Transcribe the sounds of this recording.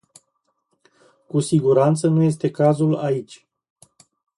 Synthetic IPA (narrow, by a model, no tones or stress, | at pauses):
kusiɡuɾant̪sənuje̞s̬t̪e̞kazulait͡ʃʲ